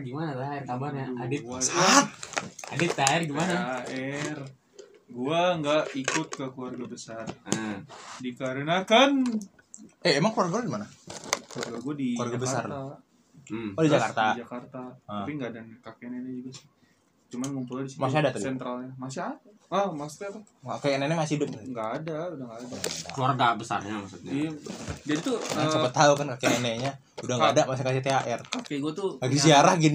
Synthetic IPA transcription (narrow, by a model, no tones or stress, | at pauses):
ɡimanat̪aɛrkabarɲaadɪkuarɡa | adɪt̪aɛrɡimanaaɛr | ɡuaŋɡaʔikʊt̪̚kəkluwarɡabəsar | dikaɾənakan | ɛemaŋkluarɡaladimanakluarɡaɡuadid͡ʒuarɡabəsart̪a | did͡ʒakart̪aid͡ʒakart̪ahəapiŋɡaːdankakeɛnenɛd͡ʒuɡasɪ̥ | t͡ʃumanŋumpuladisimas̬iadat̪adiɛnt̪ɾalɲamasɪada | əmasu̥t̪at̪ | akeɛnenɛmasihidʊp̚aŋɡaːdaudaŋɡaːdakəluarɡabəsa̰rɲamasut̪̚ɲad͡ʒadit̪uat͡ʃapət̪aukankakenenɛɲa | udaŋaːdamas̬ikasit̪eaʔɛrkakeɡuat̪ukakesiaɾahɡin